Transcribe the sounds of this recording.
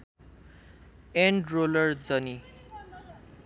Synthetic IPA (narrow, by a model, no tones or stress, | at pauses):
eɳɖrolʌrd͡zʌni